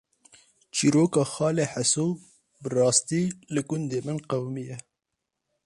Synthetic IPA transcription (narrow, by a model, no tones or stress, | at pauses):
t͡ʃiːɾoːkɑːxɑːleħaso | bɨrɑːst̪iːlɨɡʊnd̪eːmɨnqawmijɛ